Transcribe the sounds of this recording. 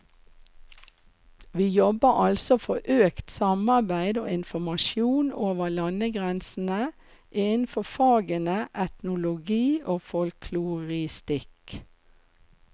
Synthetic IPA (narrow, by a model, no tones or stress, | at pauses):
ʋiːjɔbəʔɑlsɔfɔʔøːkt̪sɑmɑbæɪd̪o̰ːɪnfɔmɑʃjuːnoːʋəlɑnəɡʁɛnsn̩ə | ʔen̩fɔfɑːɡənəʔɛt̪nʊlʊɡiːʔoːfɔlkʰluʁɪst̪ɪk